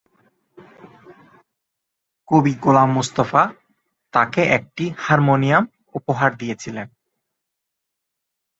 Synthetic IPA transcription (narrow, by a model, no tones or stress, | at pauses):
kobiɡolamːust̪afa | t̪akeʔɛk̚ʈihaɾmonijam | upoɦaɾd̪ijet͡ɕʰilen